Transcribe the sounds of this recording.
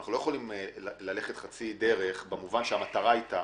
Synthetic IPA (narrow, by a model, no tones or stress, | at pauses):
aχnulojeχolimlale̞χe̞t̪χat͡sid̪e̞ʁeχbemuvanʃeamat̪aʁait̪a